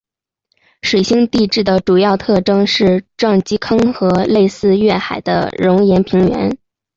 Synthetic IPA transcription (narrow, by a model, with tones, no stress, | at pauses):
ʂwe˨˩ɕi˥ŋt̪i˥˧ʈ͡ʂɻ̩˥˩d̪ə˩ʈ͡ʂu˨˩jɑ˥˧ʊt̪ʰɤ˥˩ʈ͡ʂɤ˥ŋʂɻ̩˥˧ʈ͡ʂwɑ˥˩ŋt͡ɕi˥kʰɤ˥ŋxɤ˧˥le˥˧ɪsɹ̩˥˧ɥɛ˥˩xa˨˩ɪd̪ə̰˦ɻʊ˧˥ŋjɛ˧˥npʰi˧˥ŋɥɛ̰˧˥n